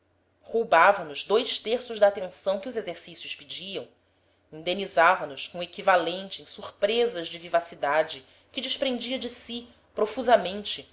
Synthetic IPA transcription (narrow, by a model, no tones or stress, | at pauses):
howbavɐnʊʒd̪ojʃt̪eɾsʊʒd̪aːt̪ẽsɐ̃w̃kɪuzezeɾsisjʊspid͡ʒiɐ̃w̃ | ĩnd̪ẽnizavɐnʊskõekivalẽnt͡ʃɪẽj̃suɾpɾezɐzd͡ʒɪvivasid̪ad͡ʒɪ | kɪd͡ʒɪʃpɾẽnd͡ʒiɐd͡ʒɪsi | pɾofuzɐmẽnt͡ʃɪ